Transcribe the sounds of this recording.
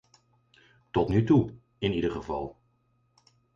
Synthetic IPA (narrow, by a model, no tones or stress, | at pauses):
tɔtnytu | ɪnidəɹχəvɑ̰lˠ